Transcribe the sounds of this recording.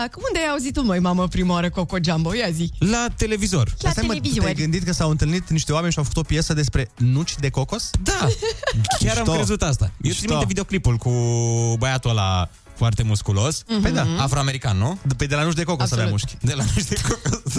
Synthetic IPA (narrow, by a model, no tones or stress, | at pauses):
akumund̪eajauzit̪umojmaməpɾimaoɾəkokod͡ʒambojazilat̪e̞le̞vizo̞rast̪amizejɡɨnd̪it̪̚kəsawɨnt̪ɨlnit̪niʃt̪ewame̞nʃiawfə̥kut̪o̞pjesəd̪e̞spɾe̞nut͡ʃʲd̪e̞koko̞sd̪a | kʲaɾamt̪oɾezut̪ast̪a̰jeɾimioievid̪eoklipulkubajat̪uala̰ | foart̪e̞muskulo̞sejd̪aafɾoameɾikanːuped̪elanut͡ʃ̬d̪e̞kokosaveamuʃkʲd̪elanut͡ʃd̪ekokos